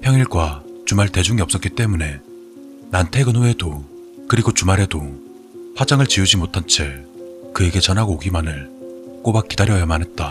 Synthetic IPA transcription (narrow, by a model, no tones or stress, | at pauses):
pʰjʌŋiɭɡwat͡ɕumaɭte̞d͡ʑuŋiʌps͈ʌk͈it͈e̞mune̞ | nantʰe̞ɡɯnɸue̞do | kɯɾiɡot͡ɕumaɾɦe̞do | pʰwad͡ʑaŋɯɭt͡ɕiud͡ʑimotʰant͡ɕʰekɯe̞ɡe̞t͡ɕʌnɦaɡoːɡimanɯɭk͈obak͈ːidaɾjʌjʌmanɦe̞t̚t͈a